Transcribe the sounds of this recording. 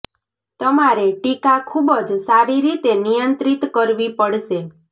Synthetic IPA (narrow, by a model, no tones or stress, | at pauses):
t̪əmaɾeʈikakʰubəd͡ʒsaɾiɾit̪enijənt̪ɾit̪kəɾʋipəɽʃe